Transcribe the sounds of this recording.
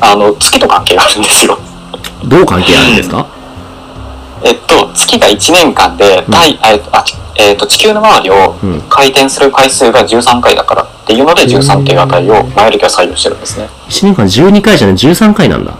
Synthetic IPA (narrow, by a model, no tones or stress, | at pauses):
ano̞t͡sɨ̥kʲit̪o̞kãŋke̞ːɡaːɾɯ̟̃nd̪e̞sɨjo̞̰ | d̪oːkãŋke̞ːa̰ɾɯ̟̃nd̪e̞sɨka̰ | e̞t̪ːo̞t͡sɨ̥kʲiɡait͡ɕinẽ̞ŋkãnd̪e̞t̪aiaaeːt̪ːo̞t͡ɕi̥kʲɨːno̞maβaɾʲio̞kʰait̪ẽ̞ɰ̃sɨɾɯkaisɨːɡaʑɨːsãŋkaid̪a̰kaɾa̰t̪ːe̞jɯ̟ːno̞d̪e̞ʑɨːsãŋk̪eːɡat̪aio̞majoɾʲɯkʲiβasaijo̞ːɕi̥t̪e̞ɾɯ̟̃nd̪e̞sɨne̞ | it͡ɕineŋkãɲd͡ʑɨːɲ̟ikaiʑaned͡ʑɨːsãŋkainã̰nd̪a̰